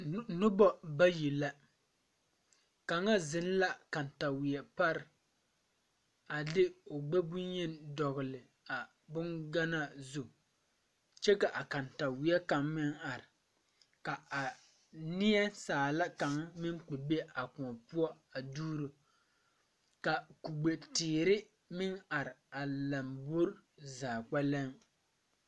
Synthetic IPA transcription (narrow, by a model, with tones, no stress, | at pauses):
nʊ˦bɔ˦ba˦ji˨la˦ | ka˨ŋa˦zɪ˨n˦la˦ka˨nta˨wɪ˨ɛ˨pa˦ɾɪ˨ | a˨dɪ˦o˨ɡ͡bɛ˦bu˦ɲɛ˦ndɔ˨ɣɪ˨lɪ˨ | a˨ | bʊ˦nɡa˦na˦zu˨ | t͡ʃɛ˦ka˨ʔa˨ka˨nta˨wɪ˨ɛ˦ka˨ŋmɪ˦ŋa˨ɾɪ˨ | ka˨a˨ | nɪ˦ɛ˦saː˨la˦ka˨ŋmɪ˦ŋk͡pe˨be˦a˨kʊ˨pu˦ɔ˦a˨duː˦ɾu˨ | ka˨ku˨ɡ͡be˨tɪː˨ɾɪ˦ | mɪ˦ŋa˨ɾɪ˨a˨la˨mbo˦ɾzaː˨k͡pa˦lɛ˦ŋ